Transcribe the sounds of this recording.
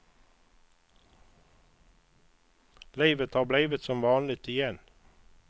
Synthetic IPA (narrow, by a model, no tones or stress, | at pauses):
liɪʋət̪hɑːʁblæɪʋət̪sɔmʋɑːnlɪt̪ɪjɛn